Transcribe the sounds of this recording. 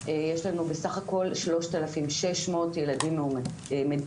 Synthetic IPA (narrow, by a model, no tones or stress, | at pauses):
ejeʃlanubesaχako̞lʃlo̞ʃt̪alafimʃe̞ʃmo̞ːtjeladimːum | me